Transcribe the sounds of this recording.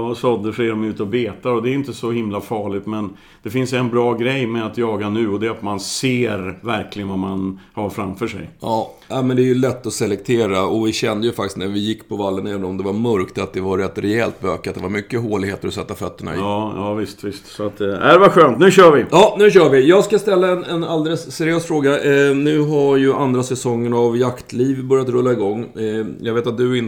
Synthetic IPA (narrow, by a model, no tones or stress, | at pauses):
sɔd̪əʂɛɖɔmʉ̟ːt̪əɔbeːt̪aɾɔd̪ɛːɾjʏnt̪əsɔhɪmlafɑːɭɪɡt̪mɛn | d̪ɛfɪnsɛnbɾɑːɡɾɛjmɛat̪jɑːɡanʉ̟ːɔd̪ɛɾat̪manseːɾvæɾklɪɡənvamanhaɾfɾamfœʂɛ̰jjɑːnɛɪmɛnd̪ɛæɾjɵlɛt̪ːɔsɛlɛk̚t̪ʰeːɾaɔvɪɕɛnd̪əjɵfakt̪ɪstnæɾvɪjɪkːpʰɔvalːənɛːvənɔmd̪ɛvaɾmœɾkt̪at̪̚d̪ɛvaɾɛt̪ːɾɛɛlt̪bøːkːat̪d̪ɛvaɾmʏkːəɦoːlɪɡheːt̪əɾɔsɛt̪ːafœt̪ːəɳa̰ɪ̰ɑːjɑːvɪst̪vɪst̪sɔat̪æɾvaɧøːnt̪nʉ̟ɕœːɾvɪjɑːnʉ̟ːɕœːɾvɪjɑːɡskast̪ɛlːaɛnɛnald̪ɛləsːɛɾɪjøːsfɾoːɡanʉ̟ːɦaɾjɵʔand̪ɾasɛsɔŋːənavjakt̪ʰliːvbœɾjat̪ɾɵlːaɪɡɔŋːjʔɑ̰ɡveːt̪at̪̚d̪ɵɪn